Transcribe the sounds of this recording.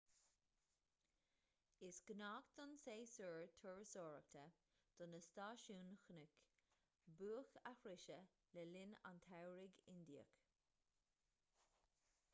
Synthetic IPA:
ɪsɡ̥naːkd̪ɔnseːsuɹt̪ʰʊɹsɔːɹək̚t̪ʰə | d̪̥ɔnəst̪aːʃuːnxnɪk | buːəxa̰xɾɪʃə | lɛlɪna̰nt̪ʰawɹɪɡɪnd̪iə̰k

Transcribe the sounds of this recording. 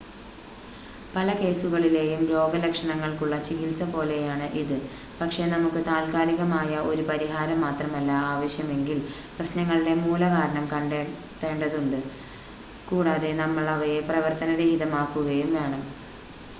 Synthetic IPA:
pɐlɐke̞ːsuɣɐɭile̞ːjumɾo̞ːɡɐlɐkʂɐɳɐŋːɐɭkuɭːɐt͡ɕikilsɐpo̞ːle̞jaːɳɨʔiðɨ | pɐkʂe̞nɐmukːɨt̪aːlkaːliɣɐmaːjɐo̞ɾupɐɾiɦaːɾɐmːaːt̪rɐmɐlːɐaːʋɐɕjɐme̞ŋɡil | prɐɕnɐŋːɐɭiɽe̞muːlɐɣaːɾɐɳɐmkɐɳɖ | te̞ːɳɖɐðuɳɖɨ | kuːɽaːðe̞nɐmːɐɭɐʋɐjeprɐʋɐrt̪ɐnɐɽe̞iðɐmaːkːuɣɐjumʋe̞ːɳɐm

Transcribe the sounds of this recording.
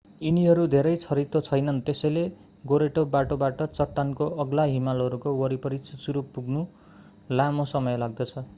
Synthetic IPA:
iniɦʌɾud̪ʱeɾʌjt͡sʰʌɾit̪ot͡sʰʌjnʌnt̪esʌjle | ɡoɾeʈobaʈobaʈʌt͡sʌʈːankoʌɡlaɦimalɦʌɾukowʌɾipʌɾit͡sut͡suɾupuɡnu | lamosʌmʌjlaɡ̚d̪ʌt͡sʰʌ

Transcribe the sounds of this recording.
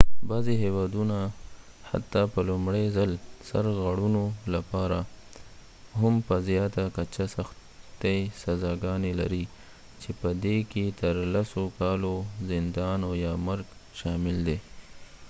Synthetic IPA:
bɑziɦewɑd̪una | ha̰t̪ːɑpəlʊmɽezalsa̰ɾɣaɽunolapɑɾa | ɦʊmpəzjɑt̪akat͡ʃasax | t̪esazɑɡɑnela̰ɾi | t͡ʃepəd̪eket̪əɾlasokɑlozɪnd̪ɑnajɑmaɾɡʃɑmɪld̪e

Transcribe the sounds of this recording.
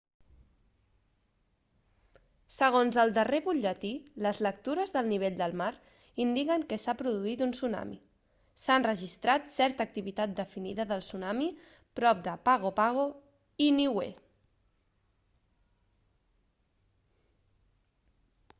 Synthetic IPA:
səɣ̞onzəlˠd̪əreβuʎət̪iləzlək̚t̪uɾəzðəlˠniβ̞eʎd̪əlˠmaɾ | ind̪ikəŋkəsapɾuðuit̪unsuna̰mḭ | sanrəʒist̪ɾat̪sɛɾt̪ək̚t̪iβit̪at̪̚d̪əfiniðəðəlˠsunami | pɾɔp̚d̪əpaɣ̞opaɣ̞o | iniwḛ

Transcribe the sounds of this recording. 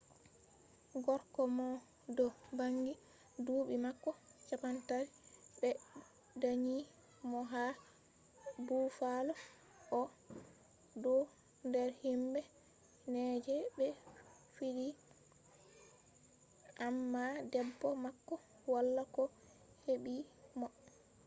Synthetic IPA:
ɡɔɾkɔmɔ | dɔbaŋɡi | duːɓimakːɔt͡ʃapantaɾibɛ | daɲi | mɔɦa | bufalɔ | ʔɔ | dɔ | ndɛɾhimbɛ | nɛd͡ʒɛbɛ | fiɾi | ʔamːadɛbːɔmakːɔ | walːakɔ | heɓimɔ

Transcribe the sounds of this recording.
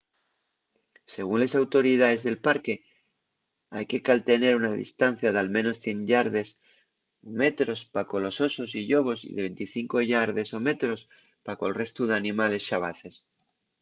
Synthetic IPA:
se̞ɣ̞unle̞sawt̪o̞ɾið̞aðe̞zðe̞lpaɾke̞ | ajke̞kalt̪e̞neɾunaðḭst̪anθjaðealmẽno̞sθje̞nʎaɾðe̞s | ome̞t̪ɾo̞spako̞lo̞so̞sosiʎo̞β̞o̞sḭðeβe̞nt̪iθiŋko̞ʝaɾð̞e̞so̞me̞t̪ɾo̞s | pako̞elre̞st̪uð̞eanĩmale̞sʃaβa̰θe̞s

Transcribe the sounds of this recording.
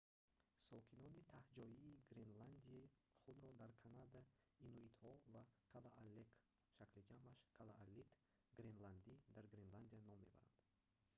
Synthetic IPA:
sɔkʰinɔnit̪ʰahd͡ʒɔiːɡɾenland̪iai | χud̪ɾɔd̪aɾkʰanad̪a | inuit̪hɔvaqʰalaʔalːekʃaklid͡ʒamaʃqʰalaʔalːit̪ | ɡɾenland̪id̪aɾɡɾenland̪ijanɔmːe̞̰ba̰ɾa̰nd̪

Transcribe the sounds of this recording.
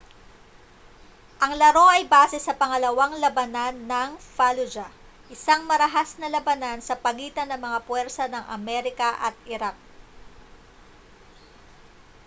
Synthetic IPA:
ʔɐŋlɐɾo̞ʔɐjbaːsɛsɐpɐŋɐlɐwaŋlɐbɐnanːɐŋfalod͡ʒa | ʔɪsaŋmɐɾɐɦasnɐlɐbɐnansɐpɐɡiːt̪ɐnːɐŋmɐŋapwɛɾsɐnɐŋʔɐ̰mɛɾɪkɐʔɐt̪̚ɪɾak̚

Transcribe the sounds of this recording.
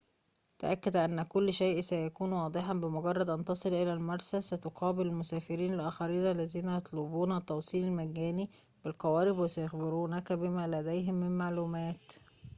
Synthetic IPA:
t̪æʔækːæd̪ʔænːækʊlːʃejʔsæjækuːnwɑːd̪ˤɨħɑbɪmoɡɑrˤːɑd̪ʔɑnt̪ɑsˤɨlʔelælmɑɾˤsæsæt̪oqʰɑːbɪllmʊsæːfɪɾiːnalʔæːxæɾiːnælːæziːnæjɑt̪ˤlubuːnæt̪ːɑwsˤiːlɪlmæɡːæːni | bɪlqæwæːɾɪbwɪsæjɑxbɪɾuːnækæbɪmæːlæd̪æjɦɪmːɪmmaʕluːmæːt̪

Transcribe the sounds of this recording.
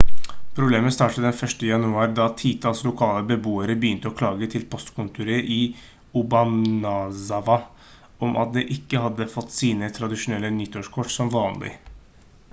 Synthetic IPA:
pʰɾʊbleːməst̪ɑːʈəd̪ɛnfœʂʈəjɑnʉɑːɾd̪ɑt̪ʰiːt̪ʰɑːlslʊkʰɑːləbəbuːəɾəbəjʏnt̪əɔkʰlɑːɡət̪ʰɪlpʰɔst̪kʰʊnt̪ʉɾəʔiː | ʊbɑmnɑsɑʋɑ | ɔmʔɑ̰t̪̚d̪ɛʔɪkːəɦɑd̪ːəfɔt̪ːsiːnət̪ʰɾɑd̪ɪʂʊnɛlːənʏt̪ʰːoːʂkʰɔʈsɔmʋɑːnlʔɪ̰

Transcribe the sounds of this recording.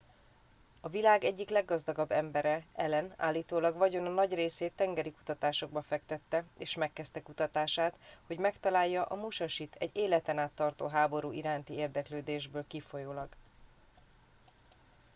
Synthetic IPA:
ɒvilaːɡɛɟːiklɛɡːɒzd̪ɒɡɒbːɛmbɛɾɛɛlɛna̰ːlːiːt̪oːlɒɡvɒɟo̞nɒnɒɟreːseːt̪ːɛŋɡɛɾiku̥t̪ɒt̪aːʃo̞ɡ̚bɒfɛkt̪ɛt̪ːɛeːʃmɛkːɛst̪ɛkut̪ɒt̪aːʃaːt̪ho̞ɟmɛkt̪ɒlaːjːɒʔɒmuʃɒʃit̪ʰɛ̰ɟeːlɛt̪ɛnaːt̪ːɒrt̪oːɦaːbo̞ɾuːiɾaːnt̪ieːrd̪ɛkløːd̪eːʒbøːlkifo̞joːlɒɡ

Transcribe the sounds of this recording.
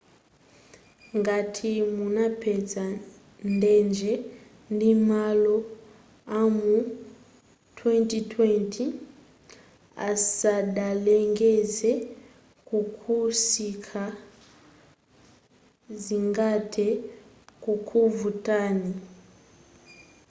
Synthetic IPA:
ŋɡatʰimunapʰɛza | ndɛnd͡ʒɛ | ndimalɔ | amu | twɛntitʰwɛntʰi | a̰saɗalɛŋɡɛzɛ | kukʰusikʰa | ziŋɡatʰɛ | kukʰuvutani

